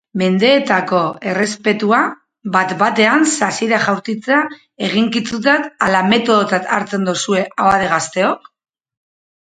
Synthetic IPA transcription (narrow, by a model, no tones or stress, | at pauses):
me̞nd̪e̞ːt̪ako̞e̞re̞spe̞t̪ua | βat̪bat̪e̞ansasiɾaʝawɾt͡sit͡sea | e̞ɣ̞iŋkit͡sut̪̬ak̪alame̞t̪o̞ð̞ot͡sat̪aɾt͡se̞nd̪usue̞aaðeɣast̪e̞o̞k